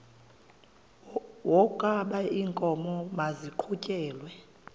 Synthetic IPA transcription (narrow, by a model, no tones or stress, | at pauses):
wɔkʼaɓaiːŋkʼɔmɔmaziǃʰucʼɛːlwɛ